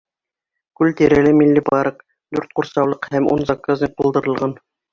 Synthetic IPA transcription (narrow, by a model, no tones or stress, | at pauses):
kʉlt̪iɾælɘmilːɘbɑɾɤq | d̪ʉɾt̪̚quɾsɑwlˠɤqhæmṵnzɑkːazʲnʲiq̚qulˠd̪ɤ̆ɾɤ̆lˠʁɑn